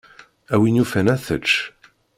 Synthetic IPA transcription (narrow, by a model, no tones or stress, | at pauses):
æwinjufænæθə̰t͡ʃː